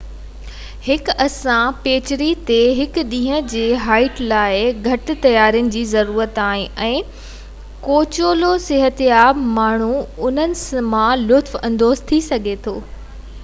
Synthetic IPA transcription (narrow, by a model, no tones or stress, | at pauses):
hɪkɐsãpeːt͡ɕɾit̪eɦɪkɗĩːɦə̃d͡ʑeːɦaːɪʈlaːɪɡʱɐʈɪ̆t̪ɐjaːɾijʊnɪ̆d͡ʑiːzɐɾuːɾət̪aːɦɪ̃ʔɛ̃ː | koːt͡ɕoːlosɪɦət̪jaːbmaːɳ̤uʊn̤ənɪ̆smãlʊt̪fɐ̃nd̪oːzt̪ʰisɐɡʱet̪ʰoː